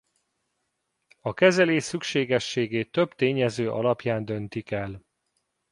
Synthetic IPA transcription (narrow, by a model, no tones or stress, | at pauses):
ɒkɛzɛleːʃsykʃeːɡɛʃːeːɡeːt̪ːø̞bt̪eːɲɛzøːʔɒ̰lɒpjaːnd̪ø̞nt̪ikɛl